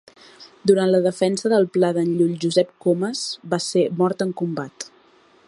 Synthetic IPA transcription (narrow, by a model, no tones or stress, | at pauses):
d̪uɾant̪ləðəfɛnsəðəlˠplaðənʎuʎʒuzɛp̚koməzbasemɔɾt̪əŋkumbat̪